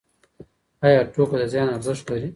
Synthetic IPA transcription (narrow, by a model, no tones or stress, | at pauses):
ɑjɑːʈoːkod̪ɐzjɑːnaɾzɪʃt̪lɐɾi